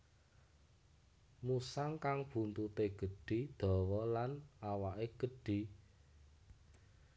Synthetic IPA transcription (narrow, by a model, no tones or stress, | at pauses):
musaŋkaŋb̥ṳnt̪ut̪eɡ̥ə̤ɖ̥i̤d̪̥ɔ̤wɔlanawaʔeɡ̥ə̤ɖ̥i̤